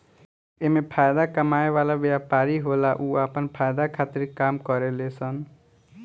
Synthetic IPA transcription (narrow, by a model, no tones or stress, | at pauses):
emepʰajd̪akəmaeʋalabjapaɾiɦolaʔuapənpʰajd̪akʰat̪iɾkamkʌɾelesʰʌn